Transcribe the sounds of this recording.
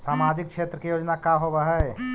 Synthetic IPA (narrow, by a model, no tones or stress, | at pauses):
samad͡ʒik̚ʃʰet̪ɾəkejoːd͡ʒnakaɦobəɦɛ